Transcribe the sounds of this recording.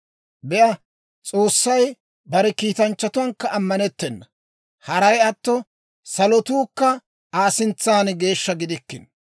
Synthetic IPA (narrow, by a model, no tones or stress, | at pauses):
bɛʔɐ | t͡sʼo̞ːsːɐj | bɐɾɛkiːt̪ɐnt͡ʃːɐt̪ʊwɐŋkːɐʔːmːɐnɛt̪ːɛnːɐ | hɐɾɐjɐt̪ːɔ | sɐlɔt̪uːkːɐ | aːsɪnt͡sːaːnɡe̞ːʃːɐɡɪd̪ɪkːɪ̰n